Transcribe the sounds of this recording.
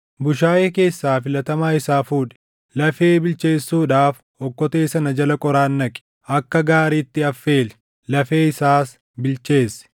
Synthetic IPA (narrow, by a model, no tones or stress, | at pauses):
bʊʃaːjeːke̞ːsːaːfɪlɐt̪ɐmaːɪsaːfuːᶑɛ̥ | lɐfeːbɪlt͡ʃeːsːuːᶑaːf | ɔkːɔt̪eːsɐnɐd͡ʒɐlɐkʼɔɾaːnːɐkʼɪ̥ | ʔɐkːɐɡaːɾiːt̪ːɪɐfːe̞ːlɛ̥ | lɐfe̞ːɪsaːs | bɪlt͡ʃe̞ːsːɪ̥